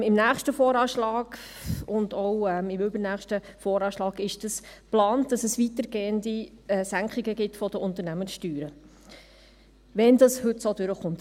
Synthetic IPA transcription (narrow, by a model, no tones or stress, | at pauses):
ɪmnæːχʃtəfɔːɾɑːʃlɑːɡ̥ʊndɔwɛmɪmʏbɾnæːχʃtəfɔːɾɑːʃlɑːɡɪʃd̥ɑsplɑːnd̥ɑsɛsʋitəɾɡeːəndiɛsæŋkχiɡəɡɪtfɔd̥əʊnt̪ənæməsʃtyːɾə | ʋɛndɑshʉtsoːdʉɾəχʊnt